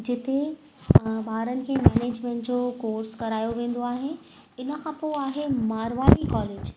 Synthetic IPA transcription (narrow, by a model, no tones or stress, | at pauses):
d͡ʑɪt̪e | bʱaːɾənɪ̆kʰeːmɛːneːd͡ʑmɛ̃ɳʈd͡ʑokoːɾskɐɾaːjoʋẽːn̆d̪oaːɦenɪ̆ | ɪnə̆kʰãːpoːaːɦemaːɾʋaːɾikɔːleːd͡ʑ